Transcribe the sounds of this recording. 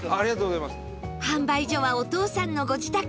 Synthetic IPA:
aɾiɡat̪oːɡozajmas | hãmbaiʑo̞βaot̪o̞ːsãnːo̞ɡo̞d͡ʑit̪a

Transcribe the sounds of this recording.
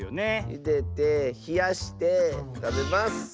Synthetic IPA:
neḭd̪et̪e̞çijaɕi̥t̪et̪abe̞masɨ̥

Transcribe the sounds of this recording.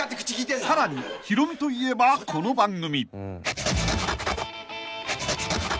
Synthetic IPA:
at̪ekʰɯ̥t͡ɕikiːesaɾaɲiçiɾomt̪oie̞bakonobaŋɡɯmʲi

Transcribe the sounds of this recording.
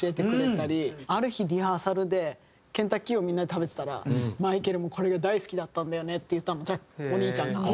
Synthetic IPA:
ɕie̞t̪ekɯ̟e̞aɾʲiaɾɯ̟çiɾʲihaːsaɾɯ̟d̪e̞ | kẽ̞nt̪akʲːio̞mʲĩnːad̪et̪abe̞t̪e̥t̪aɾa̰maike̞ɾɯ̟mo̞kʰo̞ɾe̞ɡad̪aisɨ̥kʲid̪at̪ːãnd̪ajo̞ne̞t̪ːe̞jɯ̟t̪ːãnːot͡ɕao̞ɲ̟iːt͡ɕãŋɡa̰

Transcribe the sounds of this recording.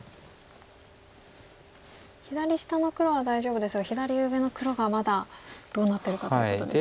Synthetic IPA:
çid̪aɾʲiɕi̥t̪ano̞kɯ̟ɾo̞β̞ad̪aiʑo̞ːbɯ̟d̪esɨɡaçid̪aɾʲiɯbe̞no̞kɯ̟ɾo̞ɡamad̪ad̪̥o̞ːnat̪ːe̞ɾɯ̟kat̪oio̰t̪od̪e

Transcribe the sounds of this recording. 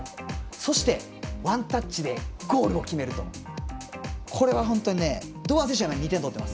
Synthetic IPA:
so̞ɕi̥t̪e̞ | βãnt̪at͡ɕːid̪e̞ɡ̥o̞ːɾɯ̟o̞kʲime̞ɾɯ̟t̪o̞̰ | kʰo̞ɾe̞βaɦõ̞nt̪o̞ɲ̟ine̞d̪oːaseɕ̬amaɲit̪ẽnt̪o̞t̪ːema̰sɨ̥

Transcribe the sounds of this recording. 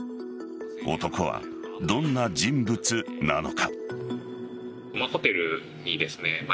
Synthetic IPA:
o̰t̪o̞ko̞βa̰ | d̪õ̞nːad͡ʑĩmbɯ̟t͡sɨna̰no̞̰kʰa̰ | maho̞t̪e̞ɾɯ̟ | ɲid̪e̞sɨne̞ma

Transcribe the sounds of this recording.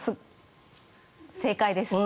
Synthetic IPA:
sɨ | se̞ːkaid̪esɨ

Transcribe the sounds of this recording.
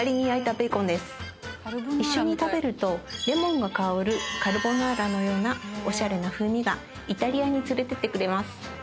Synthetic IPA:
aɾʲiɲ̟iait̪abɯikõ̞nd̪e̞sɨ̥ | iɕːo̞ɲ̟it̪abe̞ɾɯ̟t̪o̞ɾe̞mõ̞ŋɡakaoɾɯ̟kaɾɯ̟bo̞naːɾano̞jo̞ːnao̞ɕaɾe̞naɸɯ̟ːmʲiɡa | it̪aɾʲiaɲ̟it͡sɨɾe̞t̪e̞t̪e̞kɯ̟ɾe̞masɨ̥

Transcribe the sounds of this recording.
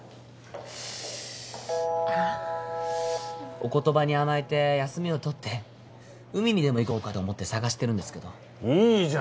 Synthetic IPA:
a | o̞ko̞t̪o̞baɲ̟iamait̪e̞jasɨmʲio̞t̪o̞t̪ʰːe̞ | ɯ̟mʲiɲʲid̪e̞mo̞iko̞ːkat̪o̞ːmo̞t̪ːe̞saɡaɕi̥t̪e̞ɾɯ̟̃nd̪e̞sɨ̥ke̞d̪o̞ | iː

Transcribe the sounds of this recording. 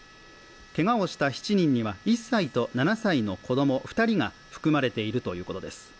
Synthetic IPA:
ke̞ɡao̞ɕi̥t̪açi̥t͡ɕiɲ̟ĩɲ̟ːiβaisːait̪o̞nanasaino̞kʰo̞d̪o̞mo̞ɸɯ̥t̪aɾʲiŋa | ɸɯ̥kɯ̟maɾe̞t̪e̞iɾɯ̟t̪o̞jɯ̟ːko̞t̪o̞d̪e̞sɨ̥

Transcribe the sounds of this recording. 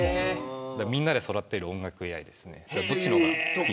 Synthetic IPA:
d̪amʲĩnːad̪e̞so̞ɾat̪ːeɾɯõ̞ŋɡakɯ̟ejaid̪e̞sɨne̞̰dabot͡ɕːiɾo

